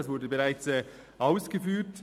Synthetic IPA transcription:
asv̥ʊdəbəʁaɪt͡sɛ | ʔaʊsɡ̥əfyːt

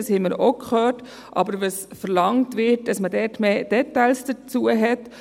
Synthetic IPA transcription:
shɛməɾokχœːɾt | ʔɑ̰bəɾʋəsfəɾlɑŋtʋɪt̚d̥ɑsmədɛːtmeːd̥ɛtːaɪlsd̥ət͡suəɦɛt

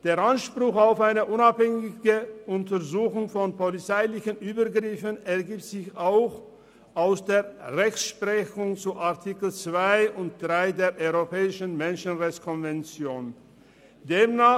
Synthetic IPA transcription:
d̥eːɐʔanʃpʁ̥ʊxaʊfaɪnəʔʊnaphɛŋɪɡəʔʊntɐzuːxʊŋfɔnpolit͡saɪlɪçənʔyːbɐɡʁɪfənɛɐɡiːp̚tz̥ɪçaʊx | ʔaʊsd̥eːɐʁɛçʃpʁɛçʊŋt͡suʔaɐtʰiːkl̩t͡sv̥aɪʔʊnt̚d̥ʁaɪdeːɐʔɔʏʁopɛːɪʃən̩mɛnʃənʁɛçt͡skʰɔnvɛnt͡sjoːn | deːmna

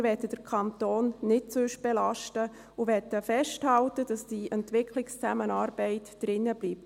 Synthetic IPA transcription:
vɛtəd̥əɾkʰɑntoːnːɪt̚t͡sʏʃb̥ɛlɑʃtə | ʊʋɛtəfɛʃthɑltəd̥ɑsd̥iʔɛntvɪkʰlɪkst͡sæmənɑːɾbɛɪtd̥ɾɪnːəbliːp̚t

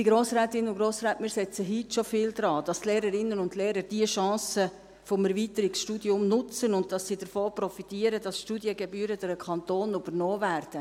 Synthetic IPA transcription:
d̥iɡ̥ɾoːsɾɛːtɪnʊnɡ̥ɾoːsɾɛːtmiːɾsɛt͡səɦitʃofɪːld̪ɾɑːd̥ɑstleːɾəɾɪnənʊndleːɾəɾd̥iəʃɑ̃ːsə | fɔmæɾviːtəɾiksʃtuːdjʊmnʊt͡sənʊnt̚d̥ɑsːid̥əɾfoːprɔfitiːəɾəd̥ɑsʃtuːdjəɡɛbyːɾəd̥ɛɾəkʰɑntoːnybərnoːvæːrd̥ə

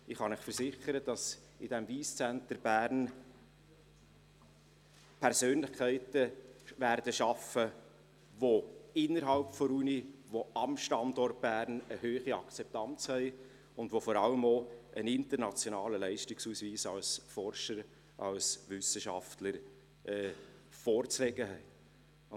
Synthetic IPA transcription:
ɪχhɑnɪχfəɾsɪχəɾəd̥ɑs | ɪd̥ɛmviːst͡sæntəɾb̥æːɾn | pʰɛɾsøːnlɪχkʰæɪtəvæːɾd̥əʃɑfə | ʋoɪnːəɾɦɑlpfɔɾuniʋoɑmʃtɑndɔrt̚b̥æːɾnəhøːχiɑkt͡sɛp̚tɑnt͡shɛɪ | ʊndʋofɔɾɑləmoʔənɪntəɾnɑt͡sjonɑːləlɛɪʃtɪksuːsviːsɑlsfɔɾʃəɾ | ʔɑ̰lsʋʏsəʃɑ̰ftləɾ | ɛːfɔːɾt͡sɾɛɡəɦɛɪ

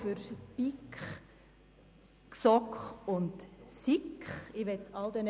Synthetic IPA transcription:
fʏɾpikχ | ksɔkχʊndsikχɪʋɛt̪ʰːɑld̪ɛn

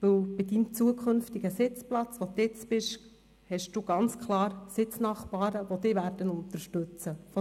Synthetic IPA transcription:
ʋɪwb̥ɪdimt͡suəkʰɵnftiɡ̥əsɪt͡splɑt͡sʋot̪ɪt͡sbɪʃ | hɛʃd̥uːɡ̥ɑnt͡skʰlˠɑːɾsɪt͡snɑχpɑːɾəʋod̥̪ɪvæːɾdənʊnt̪əɾʃtɵt͡səfo

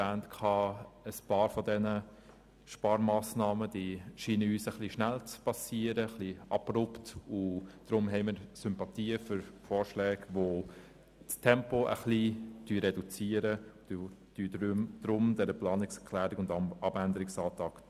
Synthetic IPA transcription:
æːntkʰɑːəspɑːɾfɔdɛnə | ʃpɑːɾmɑːsnɑːməd̥iʃiːnəyːsəχliʃnælt͡spɑsiəɾəχliɑbrʊptʊd̪̥ɾʊmɦɛɪməɾsʏmpɑt̪iːəfʏɾfɔːɾʃlɛːɡʋo | ttʰɛmpoʔə̰χlid̥yːɾɛdut͡siəɾə̥ | d̥yd̥ɾʊmd̥ɛɾəplɑːnɪksɛɾklæːɾɪɡʊndɑbændəɾɪksɑːt̪ɑk

